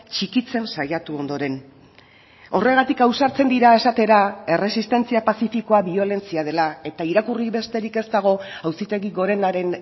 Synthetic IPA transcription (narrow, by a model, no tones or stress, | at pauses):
t͡ʃikit͡se̞nsajat̪uo̞nd̪o̞ɾe̞n | o̞re̞ɣ̞at̪ikawsaɾt͡se̞nd̪iɾae̞sat̪e̞ɾae̞re̞sist̪e̞nt͡siapasifiko̞aβio̞le̞nt͡siaðe̞lae̞t̪aiɾakuriβe̞st̪e̞ɾike̞st̪aɣ̞o̞awsit̪e̞ɣiɣo̞ɾe̞naɾe̞n